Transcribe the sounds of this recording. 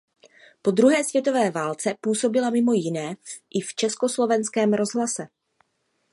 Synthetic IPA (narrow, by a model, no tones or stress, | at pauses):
po̞d̪ɾuɦɛːsvjɛt̪o̞vɛːvaːlt͡sɛpuːso̞bɪlamɪmo̞jɪnɛːʔɪft͡ʃɛsko̞slo̞vɛnskɛːmɾo̞zɦlasɛ